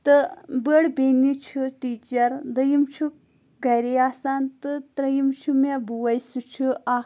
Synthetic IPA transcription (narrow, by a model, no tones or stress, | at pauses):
t̪ɨbəɽbenit͡ʃʰɨʈiːt͡ʃɐɾd̪ɐjimt͡ʃʰu | ɡɐjɾeaːsaːnt̪ɨt̪ɾɐjimt͡ʃʰumabuwɐjsut͡ʃʰua